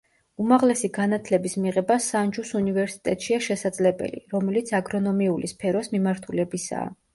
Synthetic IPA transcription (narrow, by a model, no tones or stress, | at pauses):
umaʁlɛsiɡanat̪ʰlɛbismiʁɛbasand͡ʒusunivɛɾsi̥t̪ʼɛt̪ʼʃiaʃɛsad̪zlɛbɛ̰lḭɾɔmɛlit̪sʰaɡɾɔnɔmiulispʰɛɾɔsmimaɾt̪ʰulɛbisa̰ː